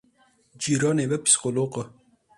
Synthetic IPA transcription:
d͡ʑiɾɑːnebɐpi̥sqoloːqə

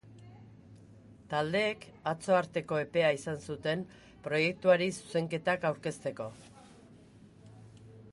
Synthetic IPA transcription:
t̪ald̪e̞ːkat͡so̞aɾt̪e̞ko̞e̞pe̞aisansut̪e̞m | pɾo̞je̞k̚t̪uaɾisu̥se̞ŋke̞t̪akawɾke̞st̪e̞ko̞

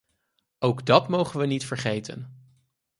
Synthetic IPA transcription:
owɡdɑtmowχənʋənitfəɹχejtə̰n

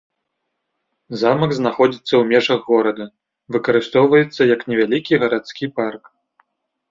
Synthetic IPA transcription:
zamɐɡznaxɔd͡zʲit̪sːɐwmʲɛʐɐɣːɔɾɐd̪ɐ | vɨkɐɾɨst̪ɔwvɐjɛt̪sːɐjɐknʲɛvʲalʲikʲiɣɐɾat̪skʲipark

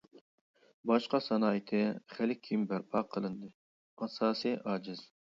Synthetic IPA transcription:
bɑʃqɑsɑnɑːjit̪ʰɨχælɪkʲʰimbæɾpʰɑqʰːəlˠɨnd̪ɨ | ɑsɑːsijʔɑːd͡ʒɪz̥

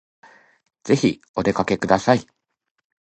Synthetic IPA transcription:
z̥e̞çi | o̞d̪e̞kake̞kɯ̟d̪asai

